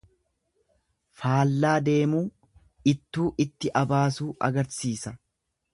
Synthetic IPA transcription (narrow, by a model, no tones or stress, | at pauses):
faːlːaːd̪e̞ːmuː | ɪt̪ːuːʔɪt̪ːɪʔɐbaːsuːʔɐ̰ɡɐɾsiːsɐ